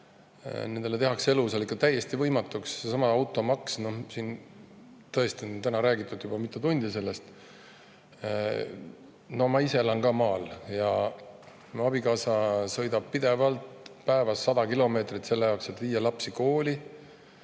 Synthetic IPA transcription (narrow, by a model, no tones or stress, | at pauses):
ne̞nd̪̥elet̪e̞ɦɑkse̞luselikːˑɑt̪æjːe̞st̪ivɤjmɑt̪ːˑukssesɑmɑɑwt̪ːˑo̞mɑksno̞sin | t̪ɤ̞e̞st̪iont̪ænɑɾæːɡit̪ːˑud̪jub̥ɑmit̪ːˑut̪unʲd̪̥ise̞lːe̞st̪ | nomɑise̞lɑŋkɑːmɑːljɑ | muɑb̥ikɑːsɑsɤjd̪ɑb̥̚pid̪e̞vɑlt̪pæevɑsːɑd̪ɑkilo̞me̞ːt̪rit̪se̞lːejɑokse̞t̪viːjɑlɑpsiko̞ːli